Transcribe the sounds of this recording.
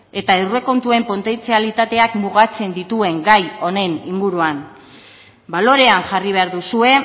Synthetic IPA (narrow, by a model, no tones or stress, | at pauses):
e̞t̪aewre̞ko̞nt̪ue̞mpo̞nt̪e̞nt͡sialit̪at̪e̞akmuɣat͡se̞nd̪it̪ue̞ŋɡajo̞ne̞niŋɡuɾuan | balo̞ɾe̞aŋʝariβ̞e̞aɾðusue̞